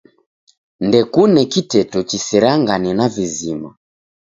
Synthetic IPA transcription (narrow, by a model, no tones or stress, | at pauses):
ndɛkunɛkitɛtɔt͡ʃisɛɾaŋɡanɛnavizima̰